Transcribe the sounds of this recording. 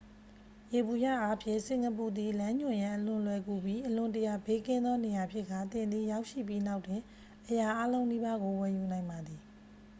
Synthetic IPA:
je˨bu˨ja̰˦˨ʔa˦pʰjɪ̰̃˦˨ʔsɪ̃˨ŋɡə˨pu˨d̪i˨lã˦ɲʊ̃˨jã˨ʔəlʊ̃˨lwɛ˨ku˨bji˦ʔəlʊ̃˨ntəja˨be˦kɪ̃˦nd̪ɔ˦ne˨ja˨pʰjɪ˦ʔkːa˨t̪ɪ̃˨nd̪i˨ja˦ʊʔʃḭ˦˨pji˦na˦ʊtɪ̃˨ | ʔəja˨ʔa˦lõ˦ʊ̃ni˦ba˦ɡo˨wɛ˨ju˨nã˨ɪ̃mba˨d̪ði˨

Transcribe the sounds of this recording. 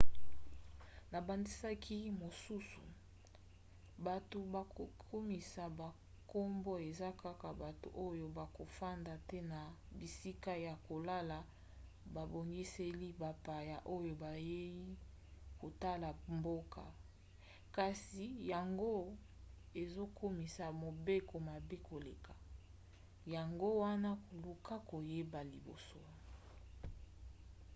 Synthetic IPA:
na˨ba˨ndi˦sa˦kʰi˦mo˨su˦su˨ | ba˨to˨ba˨ko˨kʰo˦mi˨sa˨ba˨ | ko˦mbo˦e˨za˦ka˦ka˨ba˨to̰˨ʔo˦jo˦ba˨ko˨fa˦nda˨tɛ˦na˨bi˨si˦ka˦ja˨ko˨la˦la˨ | ba˨bo˨ŋɡi˦se˦li˦ba˨pa˨ja˨ʔo˦jo˨ba˨je˦ji˦ | ko˨ta˦la˨mbo˦ka̰˨ | ka˨si˨ja˨ŋɡo˦ | e˨zo˦kʰo˦mi˨sa˨mo˨be˦ko˨ma˨be˦ko˨le˨ka˨ | ja˨ŋɡo˦wa˦na˦ko˨lu˨ka˦ko˨je˦ba˨li˨bo̰˨so˨˦

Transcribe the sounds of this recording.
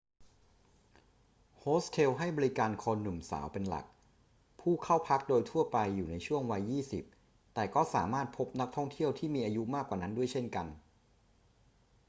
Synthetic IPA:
hoː˦˥sk̪ʰeː˧wɦa˥˩jbɔː˧i˦˥kaː˧nkʰoː˧nːu˨˩msa̰ː˩˦wpe˧nla̰˨˩k̚ | pʰuː˥˩kʰa˥˩wpʰa˦˥k̚doː˧jt̪ʰu˥˩ɐpa˧jːuː˨˩na˧jt͡ɕʰu˥˩əŋwa˧jːiː˥˩sḭ˨˩p̚ | t̪ɛː˨˩kɔː˥˩saː˩˦maː˥˩t̪̚pʰo˦˥p̚na˦˥k̚t̪ʰɔ˥˩ŋt̪ʰi˥˩əwt̪ʰiː˥˩miː˧ʔaː˧ju˦˥maː˥˩kːwaː˨˩na˦˥ndu˥˩əjt͡ɕʰe˥˩nka˧n

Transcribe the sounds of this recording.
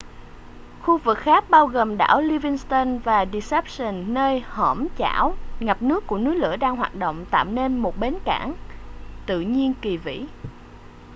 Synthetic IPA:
xu˧vɨ˨˩k̚xaː˦˥k̚ɓaː˧wɣəː˨˩mɗa̰ː˧˩wli˧vi˧ŋst̪ə˧nvaː˨˩ɗi˧sɛ˦˥p̚sə˨˩nːəː˧jhəː˧˩mt͡ɕa̰ː˧˩˥wŋa˨˩p̚nɨ˦˥əkːu˧˩ənɨ˨˦jlɨ̰˧˩əɗaː˧ŋɦwaː˨˩t̚ɗo̰˧˨wŋ͡mt̪a̰ː˧˨wne˧nmo˨˩t̚ɓe˨˦nkaː˧˩nt̪ɨ̰˧˨ɲi˧ənki˨˩vḭ˧˥

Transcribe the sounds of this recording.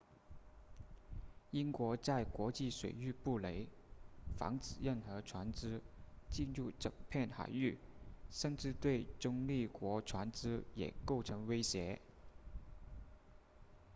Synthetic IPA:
i˥nkwɔ˧˥t͡sa˥˩ɪkwɔ˧˥t͡ɕi˥˩ʂwḛ˨˩ɪy˥˧pu˥˩le˧˥ɪ | fɑ̰˧˥ŋt͡sɹ̩˨˩ɻə˥˩nxɤ˧˥ʈ͡ʂʰwa˧˥nt͡sɹ̩˥t͡ɕi˥˧nɻu˥˩ʈ͡ʂɤ̰˨˩ŋpʰjɛ˥˩nxa̰˨˩ɪy˥˩ʂə˥˧nʈ͡ʂɻ̩˥˧t̪we˥˩ɪʈ͡ʂʊ˥ŋli˥˩kwɔ˧˥ʈ͡ʂʰwa˧˥nt͡s̩˥jɛ̰˨˩ko˥˩ʊʈ͡ʂʰɤ˧˥ŋwe˥ɪɕjɛ˧˥

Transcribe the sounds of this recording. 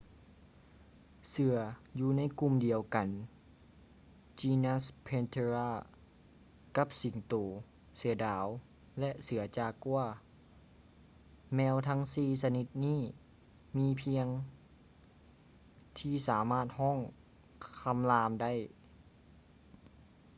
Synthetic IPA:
sɯ˧˩˦ɐjuː˧na˧˥˨jku˧˨mdi˨˩əwka˨n | t͡ɕiː˧na˧˥spʰe˧nt̪ʰe˧ɾaː˧˩ | ka˧˥p̚si˨˩˦ŋt̪oː˨˩ | sɯ˩˦ɐdaː˨˦w | lɛ˧ʔsɯ˨˩˦ɐt͡ɕaː˧˩kːu˧ɐ | mɛː˧wt̪ʰa˧˥ŋsiː˧sa˧ni˧˦t̪̚niː˥˩˨ | miː˧˥pʰi˧˥əŋ | t̪ʰiː˧˩saː˩˦maː˧˥˩t̪̚hɔː˥˨ŋ | kʰa˧˥mlaː˧mda˥˨j

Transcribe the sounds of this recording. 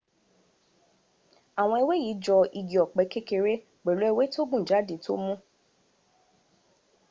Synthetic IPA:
a˨w̃ɔ̃˧i˧we˦ji˨˦d͡ʒɔ˧i˧ɡi˨ɔ˨k͡pɛ˨˧ke˦ke˧ɾe˦ | ɡ͡bɛ˨lo˨˦ɛ˦˧we˦to˦ɡ͡bũ˦˨d͡ʒa˨˦dĩ˨˦to̰˦mũ˦

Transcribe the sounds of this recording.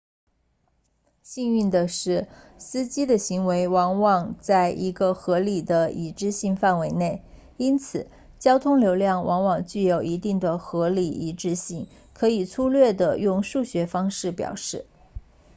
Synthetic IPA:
ɕi˥˧ny˥˩nd̪ə˩ʂɻ̩˥˩ | sɹ̩˥t͡ɕi˥d̪ə˨ɕi˧˥ŋwe˧˥ɪwɑ˧˥ŋwɑ˨˩ŋt͡sa˥˩ɪʔi˧˥ɡə˧xɤ˧˥li˨˩d̪ə˦i˧˥ʈ͡ʂɻ̩˥˧ɕi˥˧ŋfa˥˩nwe˧˥ɪne˥˩ɪ | i˥nt͡sʰɹ̩˨˩˦ | t͡ɕjɑ˥ʊt̪ʰʊ˥ŋljo˧˥ʊljɑ˥˩ŋwʔɑ˧˥ŋwɑ˨˩ŋt͡ɕy˥˩jo˨˩ʊi˧˥t̪i˥˩ŋd̪ə˩xɤ˧˥li˨˩i˧˥ʈ͡ʂɻ̩˥˧ɕi˥˩ŋ | kʰɤ˧˥i˨˩t͡sʰu˥lɥɛ˥˩d̪ə˩jʊ˥˧ŋʂu˥˩ɕɥɛ˧˥fɑ˥ŋʂɻ̩˥˩pjɑ̰˨˩ʊʂɻ̩˥˩

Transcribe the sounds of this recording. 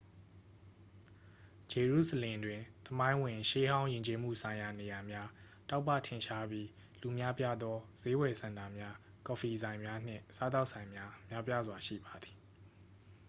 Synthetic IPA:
d͡ʑe˨ɹṵ˦˨səlɪ̃˨dwɪ̃˨t̪əmã˦ɪ̃wɪ̃˨ʃe˦ɦã˦ʊ̃jɪ̃˨ɲt͡ɕe˦m̥ṵ˦˨sʰã˨ɪ̃ja˨ne˨ja˨mja˦ | ta˦ʊpːa̰˦˨tʰɪ̃˨ʃa˦bji˦ | lu˨mja˦pja˦d̪ɔ˦z̥e˦wɛ˨sã˨nda˨mja˦ | kɔ˨fi˨zã˨ɪ̃mja˦n̥ɪ̰̃˦˨sa˦t̪a˦ʊʔsʰã˨ɪ̃mja˦mja˦pja˦zwa˨ʃḭ˦˨ba˨d̪i̥˨

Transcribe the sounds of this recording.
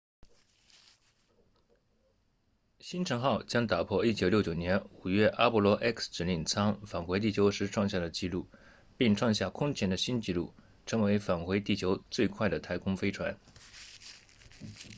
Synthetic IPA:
ɕi˥nʈ͡ʂʰɤ˧˥ŋxɑ˥˩ʊt͡ɕjɑ˥ŋt̪a˨˩pʰwɔ˥˧i˥˩t͡ɕjo˨˩ʊljo˥˩ʊt͡ɕjo˨˩njɛ˧˥nu˨˩ɥɛ˥˩ʔa˥pu˥˩lwɔ˧˥ʔɛ˥ksʈ͡ʂɻ̩˨˥ni˥˩nt͡sʰɑ˥ŋfa˨˩nxwe˧˥ɪt̪̬i˥˩t͡ɕʰjo˧˥ʊʂɻ̩˧˥ʈ͡ʂʰwɑ˥˧ŋɕja˥˩d̪ə˩t͡ɕi˥˧lu˥˩ | pi˥˩ŋʈ͡ʂʰwɑ˥˧ŋɕja˥˩kʰʊ˥ŋt͡ɕʰjɛ˥nd̪ə˧ɕi˥nt͡ɕi˥˧lṵ˥˩ | ʈ͡ʂʰɤ˧˥ŋwe˧˥ɪfa˨˩nxwe˧˥ɪt̪i˥˩t͡ɕʰjo˧˥ʊt͡swe˥˧ɪkʰwa˥˩ɪd̪ə˩t̪ʰa˧˥ɪkʰʊ˥ŋfe˥ɪʈ͡ʂʰwa˧˥n

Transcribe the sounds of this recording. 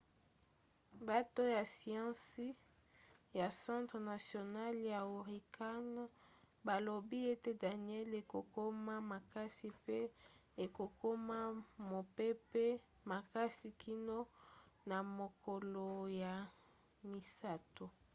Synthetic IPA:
ba˦to˦ja˨si˨ɑ̃˦si˦ | ja˨sɑ̃˦tʁna˨sjo˨na˦lja˨u˨ʁi˨ka˦n | ba˨lo˨bi˦e˦te˦da˨ni˨˦ɛ˦le˨ko˨ko˦ma˦ma˨ka˦si˦pe˦e˨ko˨ko˦ma˦mo˨pe˦pe˦ | ma˨ka˦si˨kʰi˦no˦na˨mo˨ko˨lo˨ja˨ | mi˨sa˦to˨

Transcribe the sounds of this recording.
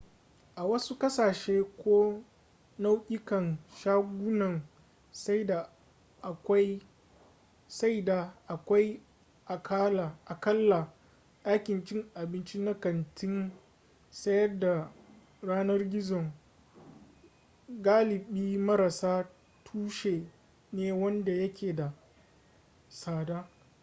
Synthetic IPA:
ʔa˨wɐ˦su˦kɐ˦saː˨ʃeː˦kʷoː˦ | na˦wkʲʼɪ˦kɐ˨nʃaː˦ɡʷʊ˦nɐ˨ŋ | sda˨ | ʔkʷ | sa˦jda˨ʔa˨kʷa˦j | ʔa˨kʰa˦la˨ʔa˨kɐ˦lːa˨ | ɗa˦kʲɪ˨nt͡ʃɪ˦ŋʔa˨bɪ˦nt͡ʃi˦na˦kɐ˨ntʰɪ˦n | sɐ˦jɐ˦rda˨ | ɽaː˦nɐ˦rɡʲɪ˦zɔ˨ŋ | ɡaː˦lɪ˨ɓiː˦mɐ˦ɾa˨saː˦ | tʰuː˦ʃeː˨ | neː˦wɐ˦nda˨jɐ˦kʲʰeː˨da˨ | saː˨daː˦

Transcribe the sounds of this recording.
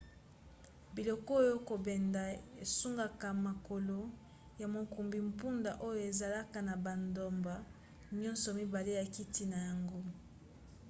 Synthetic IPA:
bi˨lɔ˨kɔ˦o˦jo˦ko˨bɛ˨nda˨e˨su˦ŋɡa˨ka˨ma˨ko˨lo˨˦ | ja˨mo˨ku˨mbi˨m̩pu˦nda˨ʔo˦jo˨e˨za˨la˦ka˨na˨ba˨ndo˨mba˨ | ɲɔ̃˦nsɔ˨mi˦ba˨le˦ja˨ki˦ti˦na˨ja˨ŋɡo˦

